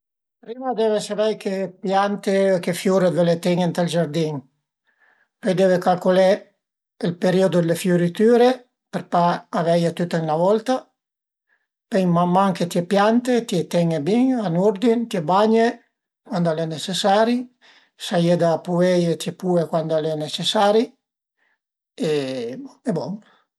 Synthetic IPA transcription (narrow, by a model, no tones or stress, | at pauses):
pɾiːmad̪evesavɛjkepjant̪eekefjuɾevelet̪ɛŋent̪ald͡ʒaɾd̪iŋ | pøjd̪eːvekalkolɛ | elpeɾiod̪od̪elefjuɾit̪yːɾe | peɾpaːvɛjat̪yt̪ːaiŋlavɔlt̪a | pɛjmamːaŋket̪jepjant̪et̪jet̪ɛŋebiɲanuɾd̪int̪jebaɲe | kwand̪alɛnet͡ʃesaːɾi | sajed̪apuɛjet̪jɛpuekwand̪alɛnet͡ʃesaɾi | e | ɛbɔŋ